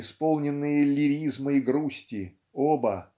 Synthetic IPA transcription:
ɪspolˠnʲɪnːɨjəlʲɪɾʲizmɨiɡɾusʲtʲɪ | obə

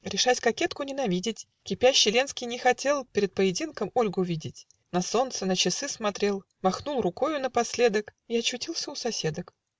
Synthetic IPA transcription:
ɾʲɪʂatʲkɐkʲe̞t̪kʊnʲɪnɐvʲidʲɪtʲ | kʲɪpʲæɕːɪlʲe̞nskʲɪjnʲɪxɐtʲe̞lˠpʲɪɾʲɪt̪̚pəjɪdʲinkəmo̞lʲɡʊʊvʲidʲɪtʲ | nɐso̞nt̪sənət͡ɕɪsɨsmɐt̪ɾʲe̞lˠ | mɐxnulˠrʊko̞jʊnəpɐsʲlʲe̞d̪əkiɐt͡ɕːʊtʲilˠsʲəʊsɐsʲe̞d̪ək

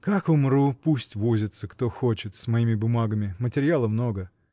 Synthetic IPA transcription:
kakʊmrupusʲtʲvozʲɪt̪səkt̪o̞xot͡ɕɪt̪smɐimʲɪbʊmaɡəmʲɪmətʲɪɾʲɪjalˠəmno̞ɡə

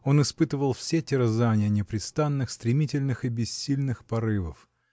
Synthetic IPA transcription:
o̞nɨspɨt̪əvəlˠfsʲetʲɪɾəzanʲɪjənʲɪpɾʲɪt̪st̪anːɨxst̪ɾʲɪmʲitʲɪlʲnɨxɨbʲɪsʲːilʲnɨxpɐɾɨvə̰f

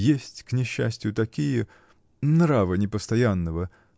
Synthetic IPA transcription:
jesʲtʲknʲɪɕːæ̰sʲtʲɪjʊt̪ɐkʲijə | nɾavənʲɪpəst̪ɐjanːəvə

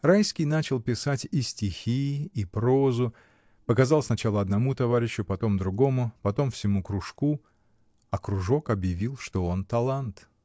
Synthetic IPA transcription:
rajskʲɪjnat͡ɕɪlˠpʲɪsatʲisʲtʲɪxʲiːpɾo̞zʊ | pəkɐzɑlˠsnɐt͡ɕalˠəɐd̪nɐmut̪ɐvaɾʲɪɕːʊpɐt̪o̞md̪ɾʊɡo̞mʊpɐt̪o̞mfsʲɪmukɾʊʂku | ɐkɾʊʐo̞kɐbjɪvʲilˠʂt̪o̞o̞nt̪ɐlˠant̪

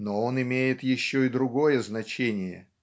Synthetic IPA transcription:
noonɪmʲejɪt̪jɪɕːoɪd̪ɾʊɡo̞jəznɐt͡ɕenʲɪjə̰

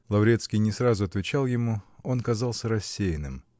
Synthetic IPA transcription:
lˠɐvɾʲet̪skʲɪjnʲɪsɾazʊɐt̪vʲɪt͡ɕalˠjɪmuo̞nkɐzalˠsʲəɾɐsʲːejɪnɨm

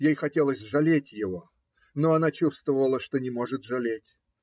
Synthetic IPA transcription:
jejxɐtʲe̞lˠəsʲʐɐlʲetʲjɪvo̞ | no̞ɐnat͡ɕust̪vəvəlˠəʂt̪o̞nʲɪmo̞ʐɨt̪ʐɐlʲetʲ

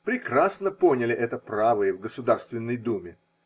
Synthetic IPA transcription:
pɾʲɪkrasnəpo̞nʲɪlʲɪʔɛt̪əpravɨjəvɡəsʊd̪arst̪vʲɪnːəjd̪umʲɪ

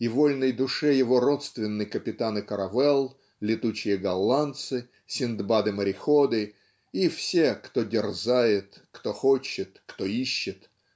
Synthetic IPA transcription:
ivolʲnəjd̪ʊʂɛjɪvo̞ɾot̪st̪vʲɪnːɨjkəpʲɪt̪anɨkəɾɐvɛlˠ | lʲɪt̪ut͡ɕɪjəɡɐlˠːant̪sɨ | sʲɪnd̪bad̪ɨməɾʲɪxod̪ɨ | ifsʲekt̪odʲɪrzajɪt̪kt̪oxot͡ɕːɪt̪kt̪oiɕːɪt̪

